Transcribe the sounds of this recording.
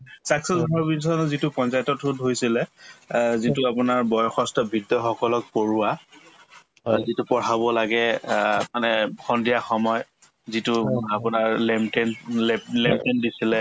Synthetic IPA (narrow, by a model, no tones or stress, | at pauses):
saksɔzɔɦɔɹbinsɔnzitʊpɔnsajtɔtudɦojsilɛ | zitʊapʊnaɹbɔjɔxɔstɔbʱidːɔxɔkɔlɔk̚poɹua | zitupɔɹabɔlaɡɛmanɛxʰɔndijaxɔmɔj | zitʊapʊnaɹlɛmtɛnlɛlɛmtɛndisilɛ